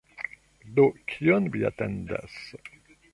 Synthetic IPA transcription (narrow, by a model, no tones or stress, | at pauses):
d̪okʰijɔnvia̰t̪ɛ̰̃nd̪a̰s